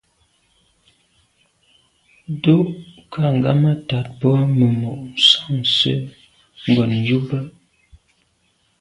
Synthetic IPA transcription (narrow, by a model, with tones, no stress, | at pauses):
do˦ʔkʰa˦˨ŋ˨ɡa̰˦ma˦ta˨t̚bɔ˦mə˨mo˨ʔ̩˨sa˦˨msə̰˦ | ŋ˦ɡɔ˨n˨ju˦bə˦ʔ